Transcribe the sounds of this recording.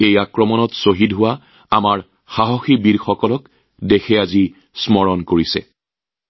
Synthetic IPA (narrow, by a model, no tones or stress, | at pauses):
ejakɹɔmɔnɔtsoɦidɦʊwa | amaɹ | xaɦoxibidxɔkɔlɔk | dexɛazi | smɔɹɔnkoɹisɛ̰